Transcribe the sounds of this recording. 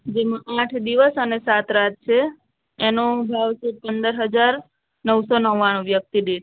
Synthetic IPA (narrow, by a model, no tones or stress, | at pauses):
d͡ʒemãʔaʈʰd̪iʋəsənesat̪ʰɾat̪̚t͡ʃʰeː | nobʱaʋt͡ʃʰepənd̪əɾɦəd͡ʒaɾ | nəʋsonəʋaɽ̃õʋjək̚t̪id̪e